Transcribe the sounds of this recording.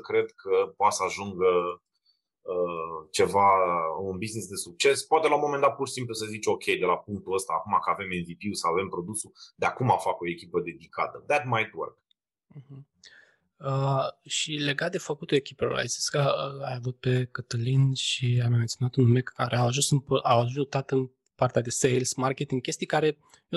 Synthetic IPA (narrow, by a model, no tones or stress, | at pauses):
kɾe̞d̪̚kʰəpoat̪səaʒuŋɡə | ət͡ʃe̞vaunbiznisd̪esuk̚t͡ʃe̞spoat̪elaumo̞mend̪at̪̚pursimplusəzit͡ʃo̞kʲʰe̞jd̪e̞lapuŋk̚t̪uəst̪aːkumakəave̞menvipiusawave̞mpɾo̞d̪usud̪eakumafako̞e̞kʲipəd̪e̞d̪ikʰa̰t̪əðæt̪̚majt̪wə̰ɾk̩ | hm̩ | əʃile̞ɡat̪̚d̪e̞fəkut̪uekʲipeɾa̰jsi̥skəajavut̪̚pe̞kət̪əlinʃiamime̞nt̪sʲjonat̪unumeaɾeawaʒunsɨnpəʔawaʒʒut̪at̪ɨn | part̪ead̪e̞sejlsmarkʲet̪iŋɡkʲe̞st̪ijkaɾe̞ | jo